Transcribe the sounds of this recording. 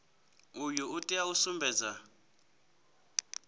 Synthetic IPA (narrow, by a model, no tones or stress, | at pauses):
ujuutʼiausumbʱɛːd͡za